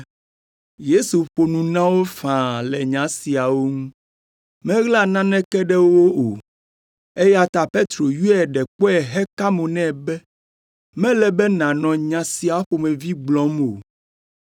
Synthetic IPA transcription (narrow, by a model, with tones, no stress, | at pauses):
je˦su˨ɸo˨nũ˨nã˦wo˦fã˨lɛ˨ɲã˨˦si˨a˨wo˦ŋũ˦ | mɛ̃˦ɣla˦nã˦nɛ̃˦kɛ˦ɖɛ˦wo˦wo˦o˨ | e˦ja˦t̪a˨pe˦t̪ɾo˨ju˦ɛ˨ɖɛ˨k͡pɔ˦ɛ˨ɦɛ˦ka˦mõ˨nɛ̃˦˨bɛ˦ | mɛ̃˦lɛ˨bɛ˦nã˨nɔ̃˨ɲã˨si˨a˨˦ɸo˨mɛ̃˨vi˦ɡ͡blɔ̃˨˦mo˨